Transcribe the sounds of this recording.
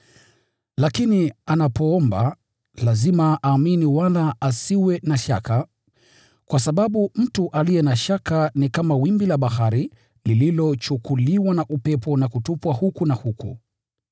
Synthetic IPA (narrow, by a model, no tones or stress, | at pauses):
lakinianapɔɔmba̰ | lazimaʔaːminiwalaasiwɛnaʃaka | kwʔas̬aɓaɓum̩tuʔalijɛnaʃakanikamawimbilaɓahaɾi | lililɔt͡ʃukuliwanaʔupɛpɔnakutupwahukunahukṵ